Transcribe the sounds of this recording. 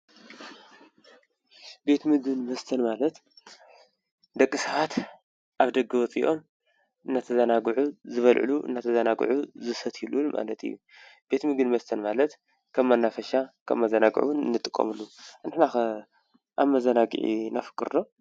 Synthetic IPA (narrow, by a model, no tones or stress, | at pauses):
be̞t̪mɨɡɨnmɐst̪ʰɐnmalɐt̪ | d̪ɐkʼːɨsɐat̪ | ʔaβd̪ɐɡɨwɔt͡sʼiʔo̞m | ɨnːat̪ʰɐzɐnaɡʕuzɨβɐlʕɨ̰luʔɨ̰nːat̪ʰɐzɐnaɡ̰ʕuzɨsɐt̪ʰilumʔa̰lɐt̪ʰɨ̰jːu | b̥e̞t̪mɨɡɨnmɐst̪ʰɐnmalɐt̪ | kʰɐmːanːafɐʃakʰɐ̰mːɐzɐnaɡ̰ʕṵwunɨnːɨt̪ʼɨkʼːɐ̰mɨlːunɨħnax | ʔa̰βmɐzɐnaɡɨ̰ʕḭnafɨ̥kʼɨɾːo